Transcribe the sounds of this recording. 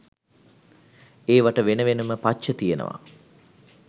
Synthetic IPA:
eːʋaʈəʋenəʋenuməpat͡ʃət̪ijenə̰ʋa̰

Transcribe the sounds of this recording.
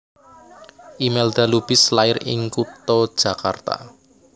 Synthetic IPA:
ʔimeld̪̥a̤lub̥ɪslaɪɾɪ̰ŋkut̪ɔd̥ʒ̥ä̤kart̪a̰

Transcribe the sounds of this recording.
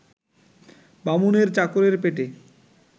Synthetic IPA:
bamuneɾt͡ɕakoɾeɾpeʈe

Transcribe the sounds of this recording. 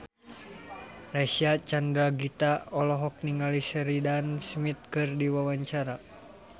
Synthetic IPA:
rasiat͡ʃandɾaɡit̪aɔlɔɦɔk̚niŋalisəɾidansmit̪̚kɨrdiwawaɲt͡ʃaɾa

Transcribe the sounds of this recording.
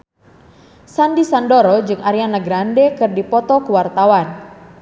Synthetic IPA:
sandisandɔɾɔd͡ʒɨŋʔaɾianaɡɾandɛkɨrdipɔt̪ɔkuwart̪awan

